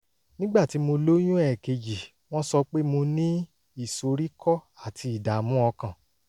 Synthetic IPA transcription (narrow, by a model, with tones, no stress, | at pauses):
nĩ˦ɡ͡ba˦˨ti˨˦mo˧lo˦j̃ũ˦ɛ˦˨ke˧d͡ʒi˨ | w̃ɔ̃˦sɔ˧k͡pe˦mo˧nĩ˦ | i˦˨so˧ɾi˦kʰɔ˦a˨tʰi˧i˨da˨mũ˦ɔ˧kã˨